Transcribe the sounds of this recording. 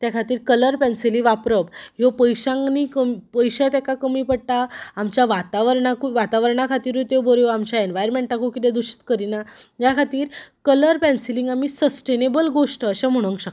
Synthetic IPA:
t̪jakʰat̪iːɾkələɾpɛ̃nsiliʋapɾəpjopəjɕãŋnikəmipəjɕãt̪̬ɛkakəmiːpəɽʈ̪aːmt͡ɕjaʋat̪aʋəɾɳakuʋat̪aʋəɾɳ̃akʰat̪iːɾʋut̪eʋbəɾjoamt͡ɕjaenʋajɾmeɳʈakukit̪ed̪uɕi̥t̪kəɾina | jakʰat̪iːɾkələɾpɛ̃nsilĩŋɡamiːsəsʈenebəlɡoʂʈəɕãm̤əɽ̃ə̃ŋkɕək

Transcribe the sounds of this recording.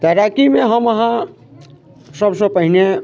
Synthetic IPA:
t̪əɾakimeɦəməɦã | səbsə̃pəɦine

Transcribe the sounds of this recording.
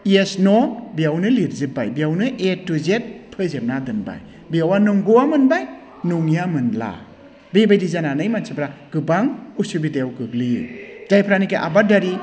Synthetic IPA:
iesnɔbijawnɯliɾzɯp̚ːajbijawnɯʔetːuzet̚pʰɯzep̚nadɯnba̰j | bijawanuŋɡowamɯnbaj | nuŋjamɯnla̰ | bebajdizananɯjmansʰibɾaɡ̥ɯbaŋusubidejawɡɯɡlid͡ʒajpʰɾanikeʔa̰badaɾi

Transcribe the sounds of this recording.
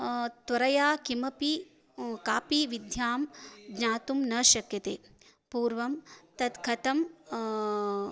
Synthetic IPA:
t̪ʋɐɾɐjaːkimɐpi | kaːpiʋid̪ʱjaːmɡɲaːt̪umnɐʃɐkjɐt̪ḛː | puːɾʋɐmt̪ɐt̪kʰɐt̪ɐm

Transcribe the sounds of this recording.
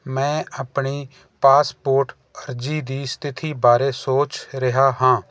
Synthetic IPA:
mɛ̃ːəpɳiː | paːspoːɾʈ | əɾd͡ʒiːd̪iːst̪ʰɪt̪ʰiːbaːɾeːsoːt͡ʃɾɪɦaːɦãː

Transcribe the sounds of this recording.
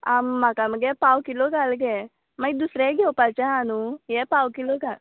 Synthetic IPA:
amːakaməɡepawkiloɡalɡe | majd̪usɾeɡewpat͡ʃaanujepawkiloɡa

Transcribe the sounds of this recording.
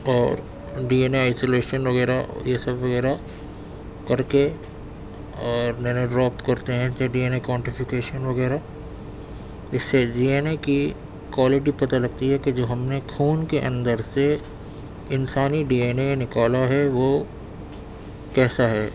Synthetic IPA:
ɔːɾ | ɖiːeːneaːɪsoːleːʃənʋɐɣɛːɾajesɐbʋɐɣɛːɾa | kɐɾke | ɔːɾnɛneɖɾɔːpkɐɾt̪eɦɛ̃t͡ʃaɖiːeːnekɔ̃ːɳʈɪfɪkeːʃənʋɐɣɛːɾa | ɪsːeɖiːeːneki | kwaːlɪʈ̬ipɐt̪alɐɡ̚t̪iɦɛked͡ʒoːɦɐmnekʰuːnkeʔɐ̰̃nd̪əɾse | ɪnsaːniɖiːeːneenɪkaːlaɦɛʋo | kɛːsaɦɛː

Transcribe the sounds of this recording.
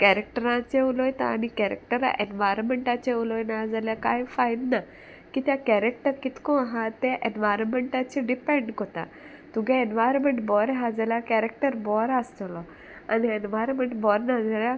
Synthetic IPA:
kɛɾek̚ʈəɾãt͡ɕeulɔjt̪a̰a̰ñikɛɾḛk̚ʈəɾa̰ʔenʋajɾnmeɳʈat͡ɕeulɔjnaad͡zaljakajfajnna | kit̪jakɛɾek̚ʈəɾkit̪kɔ̃aɦat̪eʔenʋajɾənmeɳʈat͡ɕeɖipẽɳɖkot̪a̰ | t̪uɡɛ̃enʋajɾɔmeɳʈbɔɾɦad͡zaljakɛɾek̚ʈəɾbɔɾast̪lɔ | a̰nienʋajɾmeɳʈbɔɾnad͡zalja

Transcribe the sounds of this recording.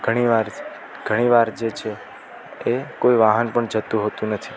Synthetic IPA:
ɡ̥ʱəɽ̃iʋaɾ | ɡʱəɽ̃iʋaɾd͡ʒet͡ʃʰe | ekoiʋaɦənpəɳd͡ʒət̪ũɦot̪ũnət̪ʰi̥

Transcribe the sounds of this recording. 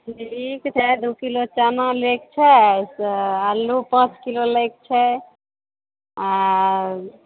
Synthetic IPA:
likt͡ʃʰɛd̪ukilot͡ʃanɔ̃lekt͡ʃʰɛsalːupãt͡ʃkilolekt͡ʃʰɛ | a

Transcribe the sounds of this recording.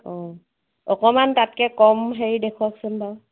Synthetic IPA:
ɔ̃ | ɔkɔmantat̚kɛkɔmɦeɹidekʰuaksʊnba

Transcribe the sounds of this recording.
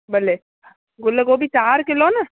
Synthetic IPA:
bɐle | ɡʊlːeɡoːbʱit͡ʃaːɾkɪlona

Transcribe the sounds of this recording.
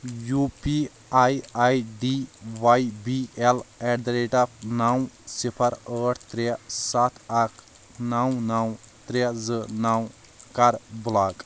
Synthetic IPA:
jupi | ajajɖiwajbielɛɖɐɾeʈapʰnaw̃sipʰɐɾəːʈʰt̪ɾesat̪ʰakʰ | nawnaw̃t̪ɾezɨnaw̃ | kaɾbulaːkʼ

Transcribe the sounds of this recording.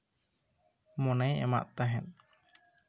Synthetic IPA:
mɔnɛjɛ̰ma̰ʔt̪aɦɛ̃n

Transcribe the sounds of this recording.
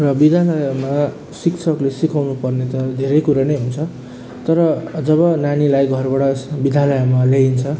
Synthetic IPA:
rʌbid̪ʱalʌjama | sikt͡sʰʌklesikawnupʌrnet̪ʌd̪ʱeɾʌjkuɾanejɦunt͡sʰʌ | t̪ʌɾʌd͡zʌβʌnanilajɡʱʌrbʌɽʌbid̪ʱjalʌjamaleint͡sʰʌ

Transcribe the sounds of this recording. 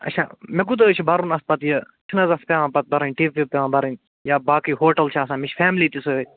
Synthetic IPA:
ɐ̰t͡ʃʰa̰ːmekut̪ɐt͡ʃʰibɐɾunɐs̚pɐt̪jə | t͡ʃʰinɐzɐspʲaːʋãːpɐt̪̚bɐɾɐnʲʈiːʋpipʲaːʋãːbɐɾɐnʲ | jaːbaːkijɦoːʈɐlt͡ʃʰaːsãːmit͡ʃʰfʰɛːmliːt̪isoe

